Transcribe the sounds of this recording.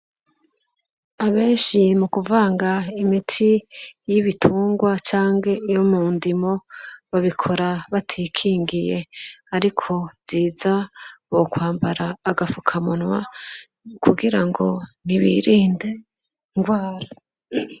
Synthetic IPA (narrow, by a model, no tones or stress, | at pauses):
aβe̞ːnʃimukuvaːŋɡaimitʰijiβitʰuːŋɡwat͡ʃaːŋɡe̞jomuːndimo̞βaβikʰo̞ɾaβatʰiːkʰiːŋɡije̞aɾikʰo̞ziːzaβokwaːmbaɾaːɡafukʰamunwa | kuɡiɾaŋɡo̞niβiɾiːnde̞ | ŋɡwaːɾa